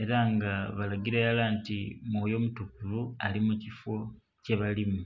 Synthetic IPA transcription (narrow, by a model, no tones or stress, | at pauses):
e̞ɾaŋɡaβalaɟiɾejalaːntimujo̞mutukulualimucifo̞ | ceβalimu